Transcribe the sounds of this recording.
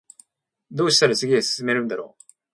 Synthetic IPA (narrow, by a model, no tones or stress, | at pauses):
d̪oːɕi̥saɾasʰeɡessɨme̞ɾɯnd̪aɾo̰